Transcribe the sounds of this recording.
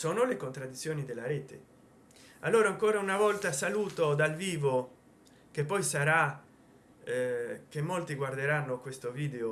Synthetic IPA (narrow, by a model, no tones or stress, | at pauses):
soːnolekont̪ɾad̪ːit̪sːjoːnid̪elːaɾeːt̪e | alːoːɾaːŋkoːɾaunavɔlt̪asaluːt̪od̪alviːvo | kepːɔjsaɾa | k̟emːolt̪iɡward̪eɾanːokwest̪oviːd̪eo